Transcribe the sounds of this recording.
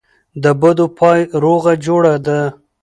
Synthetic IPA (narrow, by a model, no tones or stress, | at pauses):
d̪əbad̪opʰɑjɾoɣad͡ʒoɽad̪a